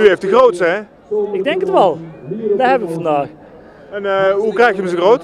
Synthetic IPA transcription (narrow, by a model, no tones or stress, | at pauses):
yejftəxrowtsəɛ | ɪɡ̚dɛŋkətʋɛlˠdaɦɛbəʋəvɑndaːx | ɛnɦukrɛjxtjəmətsəɣrowt